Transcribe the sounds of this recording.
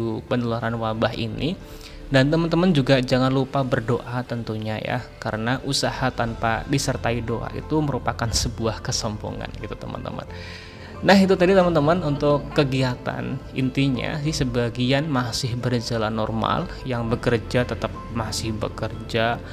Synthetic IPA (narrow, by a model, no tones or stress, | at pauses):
upənəluaɾanwabaɦḭnḭ | dant̪əmənt̪əmənd͡ʒuɡad͡ʒaŋanlupabərdoʔat̪ənt̪uɲaja̰kaɾənaʔusahat̪anpa̰disərt̪aidoʔa̰ʔḭt̪uməɾupakansəbuahkəsəmbo̰ŋa̰nɡit̪u̥t̪əmə̰nt̪ə̰mə̰nː | aɦit̪ut̪adit̪əmənt̪əmənunt̪ʊkːəɡiat̪a̰nḭnt̪iɲa̰sɪhsəbaɡianmasɪhbərd͡ʒalanɔrma̰l | jaŋbəkərd͡ʒat̪ət̪əp̚masɪhbə̰kərd͡ʒa